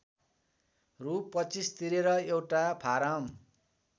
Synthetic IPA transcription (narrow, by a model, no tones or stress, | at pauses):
rupːʌt͡sist̪iɾeɾʌewʈapʰaɾʌm